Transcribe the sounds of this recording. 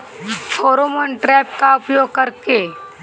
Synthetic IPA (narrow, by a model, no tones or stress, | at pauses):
fʰoːɾomənʈɾɛːp̚kaʊpjoːɡ̚kəɾke